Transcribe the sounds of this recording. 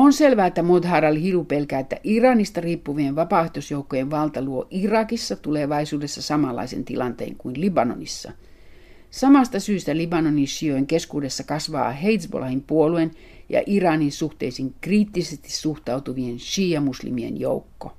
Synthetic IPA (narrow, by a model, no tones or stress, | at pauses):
onselʋæːet̪ːæmod̪ɦɑɾɑlhilupelkæːet̪ːæ̰ʔirɑnist̪ɑriːpːuʋieʋɑpɑˑeht̪osjoukːojeʋʋɑlt̪ɑluoʔirɑkisːɑt̪uleʋɑisuːdesːɑsɑmɑlːɑ̰isḛnt̪ilɑnt̪ḛːŋkuinlibɑno̰nisːɑ̰ | sɑmɑst̪ɑsyːst̪ælibɑnoninʃiojŋkeskuːde̞sːɑkɑsʋɑ̰ːɦeit̪sbo̰lɑhimpuoluen | jɑ̰ʔirɑninsuht̪e̞̰isiŋkriːt̪ːisest̪i̥suht̪ɑut̪uʋienʃiːjɑmuslḭmiḛnjo̰ukːo